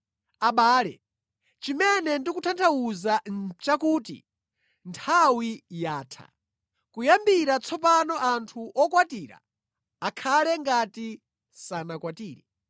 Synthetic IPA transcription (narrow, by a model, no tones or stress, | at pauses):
aɓaːlɛ̰ | t͡ʃimɛnɛndikutʰantʰawuzant͡ʃakuːtḭ | ntʰawijaːtʰa̰ | kujambiɾat͡sʰɔpanɔʔantʰuʔɔkwatiːɾa̰ː | kʰalɛŋɡati | sanakwatiːɾɛ